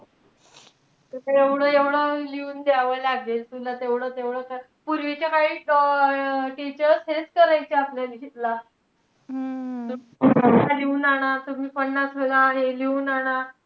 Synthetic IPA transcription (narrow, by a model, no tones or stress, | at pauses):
t̪uteʋɽ̤əːeʋɽəːliuːnd̪jaʋəlaɡelt̪ulat̪eʋɽəːt̪eʋɽəːka | puɾʋit͡ɕakaiː | ʈit͡ɕəɾsɦeskəɾajt͡ɕeapljalɡʱit̪la | tuiəaliuːnaɽ̃at̪umiːpəɳːat͡sʰolaɦeliuːnaɽ̃a